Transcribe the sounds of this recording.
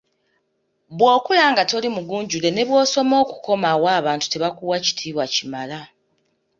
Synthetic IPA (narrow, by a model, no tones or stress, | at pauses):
βwo̞ːkulaːŋɡato̞limuɡuːɲɟule̞ne̞βwo̞ːso̞mo̞ːku̥ko̞mawaːβaːntu̥te̞βakuwaci̥tʰiːβwacimala